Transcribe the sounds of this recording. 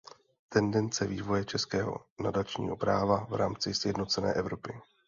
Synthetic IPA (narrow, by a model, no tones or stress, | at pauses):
t̪ɛndɛnt͡sɛviːvo̞jɛt͡ʃɛskɛːɦo̞̰nadat͡ʃɲḭːɦo̞pɾaːvavɾaːmt͡sɪsjɛdno̞t͡sɛnɛ̰ːʔɛvɾo̞pɪ